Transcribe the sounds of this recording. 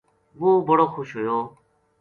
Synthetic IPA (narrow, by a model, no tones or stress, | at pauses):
ʋoːbəɽoːkʰʊʃɦoːjõː